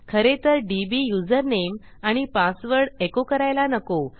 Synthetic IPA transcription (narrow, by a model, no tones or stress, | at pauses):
kʰəɾet̪əɾɖibijud͡zəɾnem | aɽ̃ipãsʋəɾɽekokəɾajlanəko